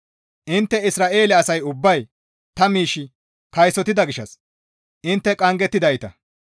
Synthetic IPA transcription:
ʔɪnt̪ːɛɪsɾaːʔe̞ːlɛɐsɐjʊbːɐj | t̪ɐmiːʃːɪ | kɐjsɔt̪ɪd̪ɐɡɪʃːɐs | ʔɪnt̪ːɛkʼɐŋɡɛt̪ːɪd̪ɐjt̪ɐ̰

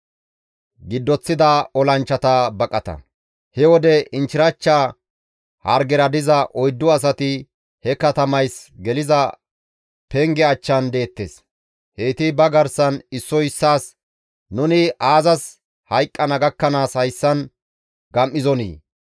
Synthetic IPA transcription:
ɡɪd̪ːɔt͡sːɪd̪ɐɔlɐnt͡ʃːɐt̪ɐbɐkʼɐt̪ɐ̰ | hɛwɔd̪ɛɪnt͡ʃɪɾɐt͡ʃːa | hɐɾɡɛɾɐd̪ɪzɐʔɔjd̪ːʊɐs̬ɐt̪ɪ | hɛkɐt̪ɐmɐjsɡɛlɪzɐ | pɛŋɡɛɐt͡ʃːɐnd̪e̞ːt̪ːḛːs | heːt̪ɪbɐɡɐɾsɐnɪsːɔjɪsːaːs | nʊnɪʔaːzɐs | hɐjkʼːɐnɐɡɐkːɐnaːshɐjsːɐn | ɡ̥ɐmːɪzɔnḭː

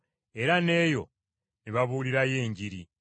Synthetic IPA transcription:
e̞ɾane̞ːjo̞̰ | niβaβuːliɾaje̞ːɲɟiɾi

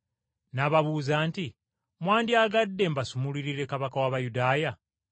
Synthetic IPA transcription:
naβaβuːzaːnti | mwaːndiaɡadːe̞mbasumuliɾiɾe̞kaβakawaβajudaːja

